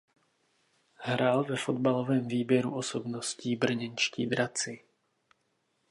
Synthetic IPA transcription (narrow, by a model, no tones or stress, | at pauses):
ɦɾaːlvɛfo̞d̪̚balovɛːmviːbjɛɾuʔo̞sobnosciːbr̩ɲɛnt͡ʃcḭːd̪ɾat͡sɪ